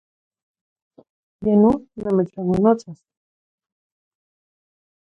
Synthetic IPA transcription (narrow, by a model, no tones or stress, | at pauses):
jenonameʈ͡ʂanonot͡sas